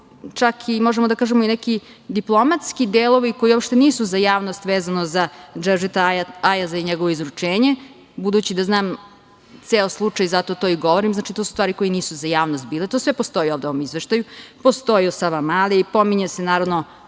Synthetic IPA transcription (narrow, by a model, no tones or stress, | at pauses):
t͡ʃakʰimoʒemod̪akaːʒemoinɛki | d̪iplˠo̞mat̪skid̪eːlˠoʋiko̞jiopʃt̪e̞niːsuzajaːʋnost̪ʋeːzanozad͡ʒɛʐet̪ajazaiɲeɡo̞ʋoizɾut͡ʂeːɲe | bud̪uːt͡ɕid̪aznaːm | t̪seːoslˠut͡ʂajzat̪ot̪o̞ːiɡo̞ʋo̞ɾimznaːt͡ʃit̪o̞ːsust̪ʋaːɾiko̞jiniːsuzajaːʋnost̪̚biːlet̪oːsʋepost̪o̞jioʋd̪eo̞ʋomizʋeʃt̪ajupost̪o̞jiosaʋamaːliipo̞miɲesenaːɾaʋno